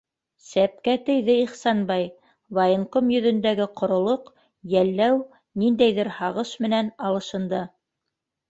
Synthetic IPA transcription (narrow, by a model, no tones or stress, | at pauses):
sæp̚kæt̪ɘ̆jðɘiχsɑnbɑj | vajonkomjɵ̆ðɵ̆nd̪æɡɘqŏɾŏlˠoq | jælːæw | nind̪æjðɘɾhɑʁɤʃmɘ̆nænɑlˠɤ̆ʃɤ̆nd̪ɤ